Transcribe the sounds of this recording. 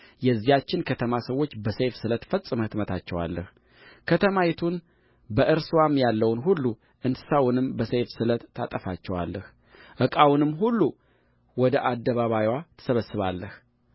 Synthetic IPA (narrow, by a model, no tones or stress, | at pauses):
jɛzːijat͡ʃːɪnkʰət̪ʰəmasəwːo̞t͡ʃːbəsejfsɨlət̪fəsʼɨməhɨt̪mət̪ʰat͡ʃːɛwa̰lːəh | kʰət̪ʰəmajɛt̪ʰun | bəʔɨɾswamjalːəwnɦulːu | ʔɨnsɨ̥sawʊnɨmbəsejfsɨlət̪ːat̪ʼəfat͡ʃːɛwa̰lːəh | ʔɨkʼawʊnɨmːɦulːu | wɔd̪əʔad̪ːəβaβajwat̪ʰə̥səβəsːɨβalːəh